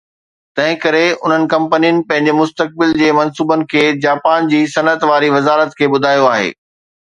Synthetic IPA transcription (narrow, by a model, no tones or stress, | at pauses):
t̪ɐ̃ɦɪ̃kɐɾeʊ̰n̤ənɪ̆kɐ̃mpənijənɪ̆pɐ̃ɦɪ̃ɲd͡ʑemʊst̪ək̚bɪld͡ʑeːmɐnsuːbənɪ̆kʰeːd͡ʑaːpaːnd͡ʑiːsɐnət̪ʋaːɾiʋɐzaːɾət̪kʰeːbʊd̪ʱaːjoaːɦḛː